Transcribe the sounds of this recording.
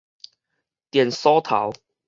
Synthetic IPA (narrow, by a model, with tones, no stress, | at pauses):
t̪jɛ˨˩nsɔ˦˥t̪ʰa̰˨˦w